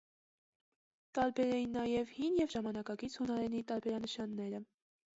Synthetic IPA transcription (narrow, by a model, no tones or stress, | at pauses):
t̪ɑɾbɛɾɛjinːɑjɛvhinjɛvʒɑmɑnɑkɑkit͡sʰhunɑɾɛnit̪ɑɾbɛɾɑnəʃɑnːɛɾə